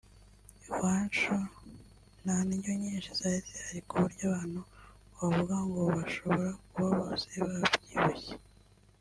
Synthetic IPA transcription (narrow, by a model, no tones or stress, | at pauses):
iwant͡ʃo | nanijoɲiːnʃiz̥ajizihaɾikuβuɾɟaːβaːn̥hu | wavuɡaŋɡoβaʃo̞βo̞ɾakuβaβoːseβavvɟiβuçe